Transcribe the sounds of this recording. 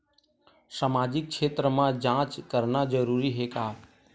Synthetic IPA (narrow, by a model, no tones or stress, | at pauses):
səmaːd͡ʒɪk̚kʃʰeːt̪ɾəmãd͡ʒãːt͡ʃkəɾnad͡ʒəɾuɾiɦekaː